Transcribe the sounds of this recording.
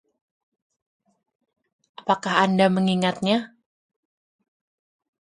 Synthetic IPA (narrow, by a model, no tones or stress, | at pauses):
ʔapakahandaməŋiŋat̪̚ɲa